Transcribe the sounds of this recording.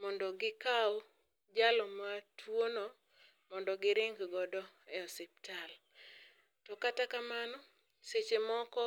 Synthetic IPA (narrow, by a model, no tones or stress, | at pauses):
mɔndɔɡɪkaɔ | d͡ʒalɔmatʰwonɔ | mɔndɔɡɪɾɪŋɡɡɔdɔɛɔsɪp̚tʰal | tɔkatakamanɔ | set͡ʃemɔkɔ